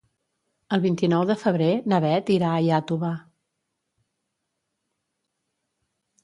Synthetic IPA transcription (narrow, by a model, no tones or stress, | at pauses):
əlˠβint̪inɔwðəfəβ̞ɾenəβɛt̪iɾaəjat̪uβa